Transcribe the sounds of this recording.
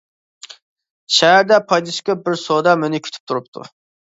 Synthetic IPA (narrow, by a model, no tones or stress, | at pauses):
ʃɛɦæɾd̪ɛpʰɑjd̪ɨʃkʲɑbɪɾsod̪ɑmønɪkʲʰy̥t̪ʰy̥p̚t̪ʰuɾupt̪ʰṵ